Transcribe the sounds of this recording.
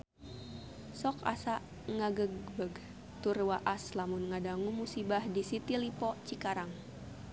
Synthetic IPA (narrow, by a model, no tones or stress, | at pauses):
sɔka̰saʔ | ŋaɡəɡbəɡ | t̪urwaʔaslamunŋadaŋumusibahdisit̪ilipɔt͡ʃikaɾaŋ